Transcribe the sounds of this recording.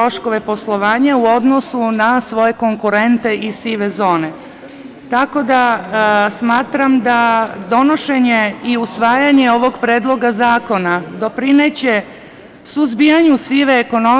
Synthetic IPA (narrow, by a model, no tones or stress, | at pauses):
ɾo̞ʃko̞ʋe̞po̞slˠo̞ʋaːɲauod̪no̞sunasʋo̞je̞ko̞ŋkuɾe̞nt̪e̞ʔisiʋe̞zo̞ːne̞ | t̪ako̞d̪a | smaːt̪ɾamd̪ad̪o̞no̞ʃe̞ɲeiusʋaːjaɲe̞o̞ʋo̞ɡpɾeːd̪lˠo̞ɡazaːko̞nad̪o̞pɾinet͡ɕe̞ | suzbijaɲusiʋe̞ːko̞no